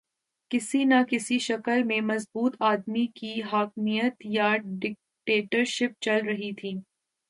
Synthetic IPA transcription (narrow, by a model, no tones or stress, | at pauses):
kɪsinakɪsiʃɐkəlmẽmɐzbuːt̪ʰaːd̪mikiɦaːkmijət̪jaɖɪk̚ʈeːʈəɾʃɪp̚t͡ʃɐlɾɐɦit̪ʰiː